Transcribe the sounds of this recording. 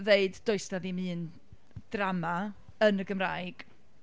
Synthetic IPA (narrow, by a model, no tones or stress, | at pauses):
veɨddoɨstaðimɨːn | d̥rama | ənəɡəmrajɡ̥